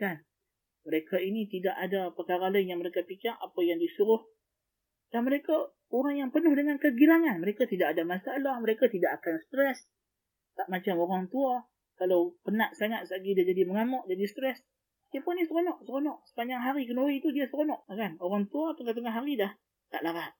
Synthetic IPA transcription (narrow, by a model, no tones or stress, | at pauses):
kan | məɾekainit̪idaʔadapərkaɾalajaŋməɾekapikaʔʔapajaŋdisuɾʊh | d̥anməɾeka | oɾaŋjaŋpənʊhdəŋankəɡilaŋanməɾekat̪idaʔadamasaalahməɾekat̪idaʔakanst̪ɾɛs | t̪aʔmat͡ʃamoɾaŋt̪ua | kalawpənaʔsaŋat̪̚saɡidiad͡ʒadiməŋamɔʔdadist̪ɾɛs | apʊnisɾonɔʔsəɾonɔʔsə̥paɲaŋɦaɾikənuɾit̪udiasəɾonɔʔkanoɾaŋt̪uat̪əŋat̪əŋaɦaɾidah | t̪a̰ʔlaɾahʔ